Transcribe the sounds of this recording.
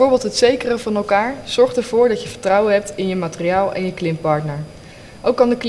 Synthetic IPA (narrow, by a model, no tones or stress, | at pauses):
ʊːɹbɪːlˠtɦətsejkərəvɑnɛlˠkaːɹz̥ɔɹχtəɹv̥ʊːɹdɑcjəvəɹtrʌwənɦɛp̚tɪnjəmaːtəriaːlˠʔɛ̰njəklɪmpɑɹtnəɹ | ʔowkːɑndəkl